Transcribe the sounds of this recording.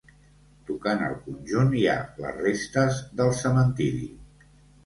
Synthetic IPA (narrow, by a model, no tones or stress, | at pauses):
t̪ukanə̰lˠkunʲʒunia̰lə̰rest̪əzðəlˠsəmənt̪iɾḭ